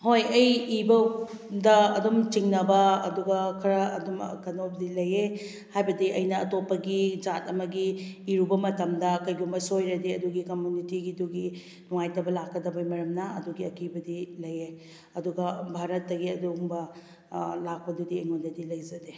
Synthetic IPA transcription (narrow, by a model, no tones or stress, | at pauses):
hojɐjibɐdɐɐdumt͡ʃiŋnɐbɐɐ̰duɡɐkʰɐɾɐɐdumkɐnobdilɐje | hajbɐdiʔɐjnɐːtopːɐɡid͡ʒatɐmɐɡiːɾubɐmɐtɐmdɐkɐjɡumbɐsojɾɐdeɐduɡikomjunitiɡiduɡi | nuŋajtɐbɐlakːɐdɐbɐjmɐɾɐmnɐɐ̰duɡiɐkibɐdilɐje | ɐduɡɐbʱaɾɐt̚ːɐɡiɐduŋbɐ | lak̚pɐdudieŋondɐdilɐjzɐde